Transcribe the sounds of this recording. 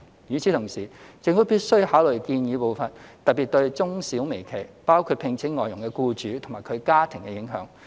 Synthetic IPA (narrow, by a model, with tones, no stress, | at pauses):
jyː˨˧t͡sʰiː˨˥t̪ʰʊ˨˩ŋsiː˨˩t͡sɪ˧ŋfuː˨˥piː˥t̚sɵ˥ɥhaː˨˥wlɵ˨˩kiː˧njiː˨˧po˨wfɐ˨˩nt̪ɐ˨t̚piː˨t̚t̪ɵ˧ɥt͡sʊ˥ŋsiː˨˥wme˨˩jkʰe˨˩jpaː˥wkʰu˨˧t̚pʰɪ˧ŋt͡sʰɪ˨˥ŋːɔː˨jʊ˨˩ŋkɛ˧kuː˧t͡ʃyː˨˥t̪ʰʊ˨˩ŋmaː˨˩kʰɵ˨˧ɥkaː˥t̪ʰɪ˨˩ŋkɛ˧jɪ˨˥ŋɦœ̰ː˨˥ŋ